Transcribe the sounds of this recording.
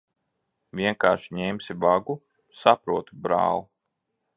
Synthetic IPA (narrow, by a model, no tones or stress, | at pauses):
vʲiɛŋkaːɾʃiɲɛmsʲivaɡu | sapɾuɔt̪ubɾa̰ːlˠu